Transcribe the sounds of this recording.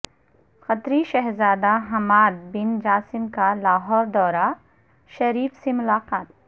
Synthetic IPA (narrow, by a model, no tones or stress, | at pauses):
xɐt̪ɾiʃɐɦɾzaːd̪aɦɐmaːd̪̚bɪnd͡ʒaːsɪmkalaːɦɔːɾd̪ɔːɾa | ʃɐɾiːfsemʊlaːqaːt̪